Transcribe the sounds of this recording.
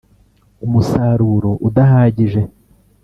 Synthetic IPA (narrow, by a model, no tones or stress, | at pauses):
umusaːɾuːɾo̞ʔudaɦaːɟiʒe̞